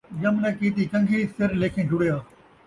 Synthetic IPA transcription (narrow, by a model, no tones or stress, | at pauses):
jɐmnɐkiːt̪iːkɐ̃ŋɡʱisɪɾleːkʰẽːɖʊɽejaː